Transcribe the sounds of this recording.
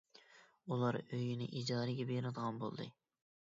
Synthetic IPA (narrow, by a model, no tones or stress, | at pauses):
ulˠɑɾøjinɪ̰ʔid͡ʒɑːɾɪɡʲɛbenɨd̪əʁɑnbo̰lˠd̪ɨ̰